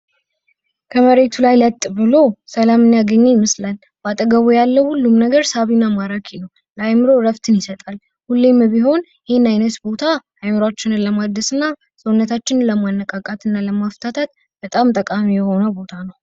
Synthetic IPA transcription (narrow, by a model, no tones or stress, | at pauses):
kʰəməɾe̞t̪ʰulajlət̪ʼːbɨlo̞səlamɨnjaɡəɲːejɪmɨslal | b̥at̪ʼəɡəβojalːəwhulːumnəɡəɾsaβinamaɾakʰinəw | ləajmɨɾo̞ɾəft̪ʰɨnjɪsət̪ʼal | hulːembiɦo̞n | jɪhenajnət̪bo̞t̪ʰaʔːjmɨɾwat͡ʃːɪnɨnləmad̪əsɨnːa | səwunːət̪ʰat͡ʃːɪnləmanːəkʼakʼat̪ɨnːaləmaft̪ʰat̪ʰat̪ | b̥ət̪ʼamt̪ʼəkʼamijɛho̞nəbo̞t̪ʰanəw